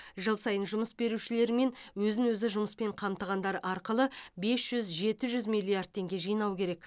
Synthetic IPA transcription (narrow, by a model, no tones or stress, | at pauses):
ʒəlˠsɑjənʒʊməsbe̞ɾuʃɪle̞ɾme̞nwɵzɪŋwɵzɪʒʊməspe̞ɴqʰɑmt̪əʁɑnd̪ɑɾəʔɑɾqəlˠəbe̞sʒ̥ʏzʒe̞t̪ɪʒʏzmijlʲˠːijard̪̚t̪ʰːe̞ŋɡʲe̞ʒijnɑwkʲʰe̞ɾe̞k